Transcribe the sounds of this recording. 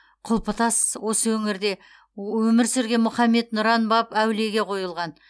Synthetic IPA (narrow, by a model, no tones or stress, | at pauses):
qʰʊlˠpət̪ɑswo̞səwɵŋɪɾd̪e̞ | wɵmɪɾsɪɾɡʲe̞mʊχɑmːe̞t̪nʊɾɑnbɑpæwle̞ɡʲe̞qʰo̞jəlˠʁɑn